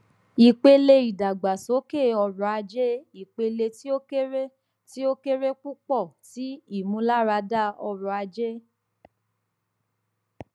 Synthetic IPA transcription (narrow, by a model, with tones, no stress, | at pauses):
i˨k͡pe˧le˧i˨da˨ɡ͡ba˨so˨˦ke˦˨ɔ˧ɾɔ˧a˧d͡ʒe˦i˨k͡pe˧le˧ti˦o˦e˦ | ti˦o˦ke˦ɾe˦k͡pu˦k͡pɔ˦˨ti˨˦i˦˨mũ˨˦la˦ɾa˧da˦˨ɔ˧ɾɔ˧a˧d͡ʒe˦